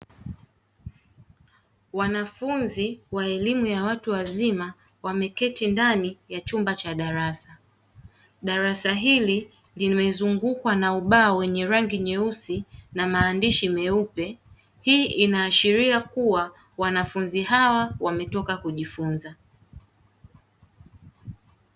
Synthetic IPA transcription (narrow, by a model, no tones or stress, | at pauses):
wanafunziwaɛlimujawatuwazima | wamɛkɛtindanijat͡ʃumbat͡ʃaɗaɾasa | ɗaɾasaɦili | limɛzuŋɡukwanauɓaːwɛɲɛɾaŋɡiɲɛusinamaːndiʃimɛupɛ | hiːʔinaːʃiɾiakuwa | wanafunziɦawawamɛtɔkakuʄifunza